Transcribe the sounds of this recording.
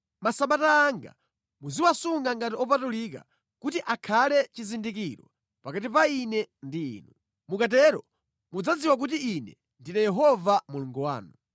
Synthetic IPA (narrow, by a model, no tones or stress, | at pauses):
masaɓataːŋɡa̰ | muziwasuŋɡaŋɡatiɔpatulik̬a̰ | kutiʔakʰalɛt͡ʃizindikiɾɔ | pakat̬ipainɛndḭːnu | mukat̬ɛɾɔ̰ | mud͡zad͡ziwak̬ut̬iinɛ̰ | ndinɛjɛɦɔvamuluŋɡɔwa̰ːnu